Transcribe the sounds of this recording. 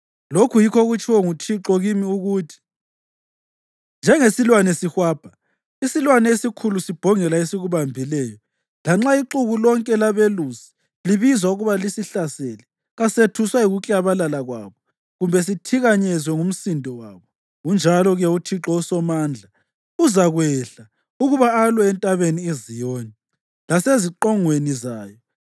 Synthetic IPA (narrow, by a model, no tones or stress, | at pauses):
lokʰujikʰɔɣut͡ʃʰʼiwɔŋutʰiǁɔɣimiuɣuːtʰi̥ | nd͡ʒʱɛŋesilwanɛsihwaːb̥ʱa | isilwanɛesikʰulusib̥ʱɔŋɛlaesiɣuβambʱilɛːjɔ | laŋ͡ǁaiǁuɣulɔŋkʼɛlaβelusi̥ | liβizwauɣuβalisiɬasɛlɛ | ɣasetʰuswaiɣukʼaβalalaɣwa̰ːβɔ | ɣumbʱɛs̬itʰiɣaɲɛzwɛŋum̩sindʱɔwaːβɔ | und͡ʒʱalɔɣɛutʰiǁɔusɔmaːnd͡ɮʱa | uzaɣwɛɬa | uɣuβaːlwɛɛntʼaβeniezijoːni | laseziǁɔŋwenizaːjɔ